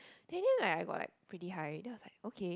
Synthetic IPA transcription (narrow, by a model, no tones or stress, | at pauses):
d̥ɛ̃ndɛ̃nlaɪkaɪɡɔ̰ʔla̰ɪk̚pʰɹitiɦaɪdɛwɔslaɪkokʰe